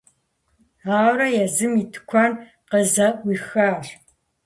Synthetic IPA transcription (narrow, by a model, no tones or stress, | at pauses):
aːwɾɐjɛzɨmiːtʰɨ̥kʷʰɐn | qəzɐwiːxaːr